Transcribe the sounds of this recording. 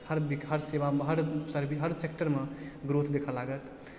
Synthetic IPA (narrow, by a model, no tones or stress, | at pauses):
həɾbikɦəɾsebameɦəɾsəɾbiɦəɾsek̚ʈəɾmeɡɾot̪ʰd̪ekʰəlːaɡət̪